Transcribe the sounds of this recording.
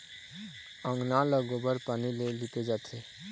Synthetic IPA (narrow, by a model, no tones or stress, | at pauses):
ə̃ŋɡnaləɡobəɾpaːnileliped͡ʒat̪ʰe